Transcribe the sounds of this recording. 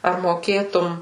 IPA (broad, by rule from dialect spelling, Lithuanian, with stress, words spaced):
ɐr moːˈkʲeːtʊm